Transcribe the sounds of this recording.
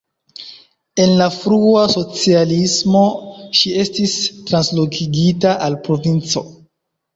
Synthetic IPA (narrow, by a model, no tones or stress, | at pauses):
e̞nlafɾuaso̞t͡sialismo̞ʃie̞stistɾanslo̞kʰiɡitaʔalpɾo̞vint͡so̞̰